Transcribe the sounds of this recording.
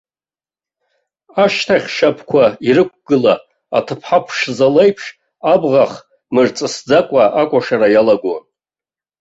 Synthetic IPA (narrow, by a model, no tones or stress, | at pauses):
aʃtʰaχʲʃapʰkʷʰaiɾɨkʷʰɡ̥ɨla | a̰tʰɨpʰħapʰʂzalejpʰʂ | abʁaχ | mɨrt͡sʼɨsd͡zakʷʼaʔakʷʼaʂaɾajalaɡʷo̰